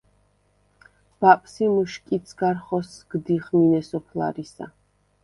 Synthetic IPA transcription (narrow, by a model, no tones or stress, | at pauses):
b̥apʼsimuʃkʼit̪sʰɡaɾχɔsɡ̥d̪iχminɛsɔpʰla̰ɾisa̰